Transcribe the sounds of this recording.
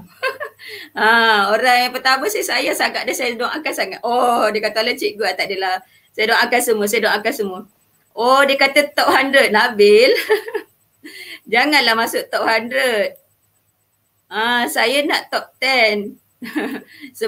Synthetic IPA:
ãoɾaŋjaŋpərt̪aməsihsajasaɡaʔ̚dəsajədoŋakasaŋat̪odiəkat̪alət͡ʃiʔɡuat̪aʔdəla | sajədoŋakasəmuəs̬ajədoŋakasəmuə | ʔɔdiəkat̪ət̪ɔʔ̚handɾət̪̚nabɪl | d͡ʒaŋanlahmasʊʔt̪ɔʔhandɾət̪̚ | asajənaʔt̪ɔk̚t̪ɛn | sə

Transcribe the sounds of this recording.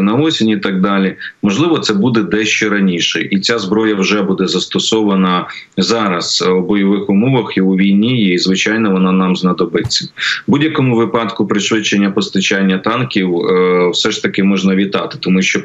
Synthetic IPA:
nɐɔsʲɪnʲiit̪ɑɡ̚d̪ɑlʲimɔʒlˠɪʋɔt̪sɛbud̪ɛd̪ɛʃt͡ʃɔɾɐnʲiʃɛʔit͡sʲazbɾɔjɐwʒɛbud̪ɛzɐst̪ɔsɔʋɐnɐ | zɑɾɐz̥wbɔjɔʋɪxʊmɔʋɐxiuʋʲijnʲijɛizʋɪt͡ʃɑjnɔʋɔnɑnɑmznɐd̪ɔbɪt͡sʲːɐbudʲjɐkɔmʊʋɪpɑt̪kʊpɾɪʃʋɪt͡ʃːenʲːɐpɔst̪ɐt͡ʃanʲːɐt̪ɑnkʲiwwsɛʃt̪ɐkɪmɔʒnɐʋʲit̪ɑ̰t̪ɪ̥t̪ɔmuʃt͡ʃɔ

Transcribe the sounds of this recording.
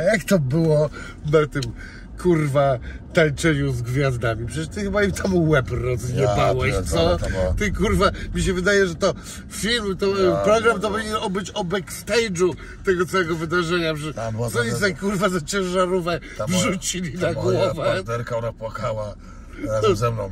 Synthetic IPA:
jakt̪ɔbɘwɔ | nat̪ɨm | kʰuɾva | t̪alt͡ʂɛɲuzɡvʲjazd̪amʲipʂɛt͡ɕɛʂt̪ɨxbaimt̪ʰamuwɛbɾɔzvʲiɲɔvawɛɕt̪sɔt̪t̪ɛkuɾvamʲiɕɛvɘd̪ajɛʐɛt̪ɔ | fʲilmt̪ɔpɾɔɡɾamt̪ɔpɔvʲiɲɛnɔbɘt͡ɕɔbɛkst̪ɛjd͡ʐu | t̪ɛɡɔt̪sawɛɡɔvɨd̪aʐɛɲapɛbasɔviɛkuɾvazat͡ɕɛ̃ʐaɾɔvɛvʐut͡ɕilʲinaɡwɔvad̪ɛɾkaɔnapwakawa | zɛmnɔ̃w̃

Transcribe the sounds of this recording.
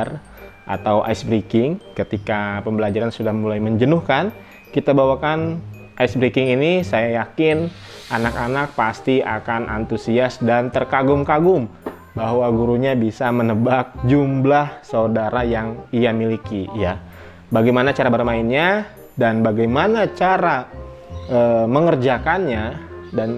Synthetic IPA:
r | ʔa̰t̪awʔa̰isbɾikɪŋkət̪ikapəmbəlad͡ʒaɾansudahmulajməɲd͡ʒənʊhkan | kit̪abawakan | ʔajsbɾikɪŋinisajajakɪn | anakanak̚past̪ia̰kanʔa̰nt̪usiasdant̪ərkaɡʊŋkaɡʊŋ | baɦwaɡuɾuɲabisamənəbak̚d͡ʒumblahsaudaɾajaŋiamilikija | baɡajmanat͡ʃaɾabərmaɪnɲa | danbaɡajmanat͡ʃaɾa | ʔəːməŋərd͡ʒakanɲadan

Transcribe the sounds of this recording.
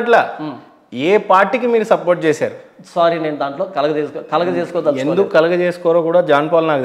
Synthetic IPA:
ʈlaː | eːpaːɾʈːik̬imiːɾusɐpoːɾʈ̚t͡ʃeːsa̰ːɾusaːɾine̞ːnud̪aːɳʈloːkɐlɐɡɐd͡ʒeːskɔːkɐlɐɡɐt͡ʃeːskɔːd̪ɐend̪ukːukɐlɐɡɐt͡ʃeːsu̥kɔːɾoːkuːɽaːd͡ʒaːnpɔːlnaːk

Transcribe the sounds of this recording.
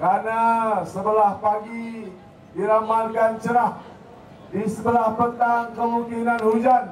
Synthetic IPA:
kɾanasəbəlahpaɡi | diɾamakant͡ʃəɾah | disəbəlahpət̪aŋkəmuŋkinanhud͡ʒan

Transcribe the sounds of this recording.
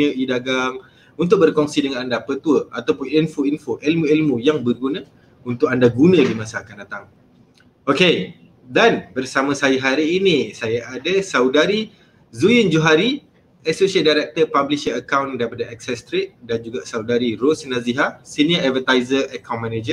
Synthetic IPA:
əʔidaɡaŋ | unt̪ʊk̚bərkɔŋsidəŋanandapət̪uəat̪awpʊninfoinfoʔilmuilmujaŋbərɡunã | unt̪ʊk̚andaɡunə̃dimãsakandat̪aŋ | oke | danbərsamãsajaɦaɾiːnisajaʔadəsawdaɾi | zujɪnd͡ʒuɦaɾi | əsosiət̪̚daɾɛk̚t̪ərpabliʃəəkawndaɾipadaɛk̚sɛst̪ɾet̪̚dand͡ʒuɡaʔsawdaɾirosnãziɦasiniəʔavət̪ajzərʔəkawnmɛned͡ʒə

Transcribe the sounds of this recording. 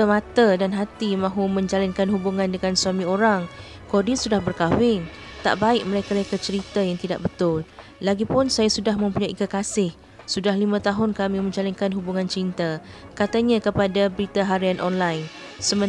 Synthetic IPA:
əmãt̪adanɦat̪imãɦumə̃ɲd͡ʒalankanɦubuŋãndəŋansuamĩoɾaŋ | kodisudahbərkawɪn | t̪a̰ʔbaɪʔ̚mə̃ɾekalakat͡ʃəɾit̪ajaŋt̪ida̰ʔbət̪ʊl | laɡipʊnsajasudahmə̃mpuɲajʔikəkasɪh | sudahlimãt̪aɦʊnkamĩmə̃ɲd͡ʒalankanɦubuŋãnt͡ʃint̪akat̪aɲãkəpadabəɾit̪aɦaɾianʔɔnlajn | səmə

